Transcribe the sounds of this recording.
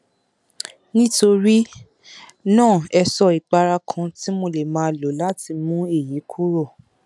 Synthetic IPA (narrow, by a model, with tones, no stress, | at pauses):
nĩ˦to˧ɾi˦ | nãː˦˨ɛ˧sɔ˧˨i˨k͡pa˧ɾa˧kʰã˧ti˦mo˧le˨mãː˦˧lo˨˦la˦ti˧mũ˦e˦˨ji˨˦kʰu˦ɾo˦˨